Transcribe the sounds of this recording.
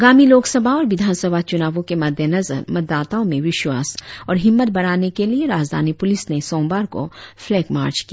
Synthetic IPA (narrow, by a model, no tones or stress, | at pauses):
ɐɡaːmiloːksəbʱaɔːɾʋɪd̪ʱaːnsəbʱat͡ʃʊnaːʋõkemɐd̪ʱjənɐzə̰ɾmɐt̪̚d̪ːaːt̪aõmẽʋɪʃwaːsɔːɾɦɪmːət̪̚bɐɽ̃aːnekelieɾaːd͡ʒd̪ʱa̰ːnipʊlɪsnesɔ̃ːmbaːɾko̰flɛːkma̰ːɾt͡ʃkija